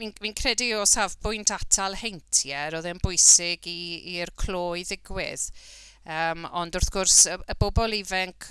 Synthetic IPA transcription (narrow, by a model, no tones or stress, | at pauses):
minminkʰrɛdiɔsavbʊɨntʰatʰalˠhejntʰjɛɾɔðɛnbʊjsɪɡiːrkʰl̥ˠoːɨðɪɡwɪ̰ð | əːmɔndʊrθɡ̥ʊrsəəbɔbɔlˠivɛŋkʰ